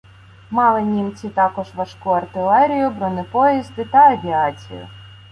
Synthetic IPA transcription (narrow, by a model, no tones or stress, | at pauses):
mɑlˠɪnʲimt͡sʲit̪ɑkɔʒʋɐʃkuɐrt̪ɪlˠɛɾʲijʊbɾɔnɪpɔjizd̪ɪt̪ɐɐʋʲiɑt͡sʲḭjʊ̰